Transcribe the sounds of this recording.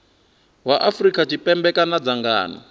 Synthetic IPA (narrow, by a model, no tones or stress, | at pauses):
waʔafrikʼat͡ʃʰipʼɛmbɛkanad͡zaŋɡa̰ːnɔ̰